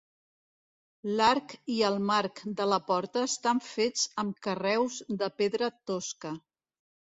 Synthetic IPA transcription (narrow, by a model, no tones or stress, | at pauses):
laɾkiəlˠmaɾkd̪ələpɔɾt̪əːst̪aɱfed͡zəmkərɛwzðəpeðɾət̪oskə